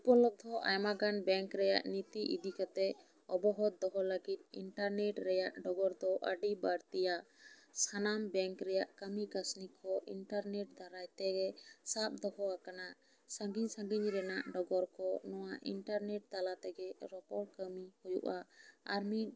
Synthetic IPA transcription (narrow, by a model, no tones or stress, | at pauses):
upɔlɔd̪ʱɔʔa̰jmaɡanbɛŋkɾɛjaʔnit̪iʔid̪ikat̪ɛ | ɔbɔɦɔt̪̚d̪ɔɦɔləɡit̪̚ḭɳʈaɾneʈɾɛjaʔɖɔɡɔɾd̪ɔʔəɖibaɾt̪ijasanambɛŋkɾɛjaʔkəmikasnikʰːɔʔiɳʈaɾneʈ̚d̪ʱaɾajt̪ɛɡɛsap̚d̪ɔhɔakanaʔ | səŋɡiɲsəŋɡiɲɾɛnaʔɖɔɡɔɾkɔnɔwaʔḭɳʈaɾnɛʈ̚d̪alat̪ɛɡɛɾɔpɔɾkəmihujṵʔaːɾmit̪